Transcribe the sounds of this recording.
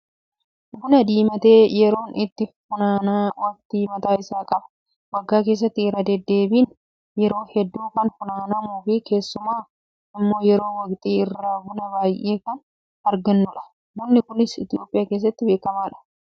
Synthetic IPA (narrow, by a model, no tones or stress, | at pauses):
ɡʊnɐd̪iːmɐt̪eːjɛɾo̞ːnʔɪt̪ːɪfʊnaːnaːwɐkt̪iːmɐt̪aːɪsaːkʼɐbɐ̥ | wɐɡːaːkeːs̬ːɐt̪ːɪːɾɐd̪ɛd̪ːe̞ːbiːn | jɛɾo̞ːhɛd̪ːuːkɐnfʊnaːnɐmuːfɪke̞ːsːʊmaː | ɪmːo̞ːjɛɾo̞ːwɐɡt̪ʼiːɪrːaːɡʊnɐbaːjʔe̞ːkɐn | ɐɾɡɐnːʊᶑɐ̥ | mʊnːɪkʊnɪsɪt̪ɪjo̞ːpʼːɪjaːke̞ːs̬ːɐt̪ːɪbe̞ːkɐmaːᶑɐ̥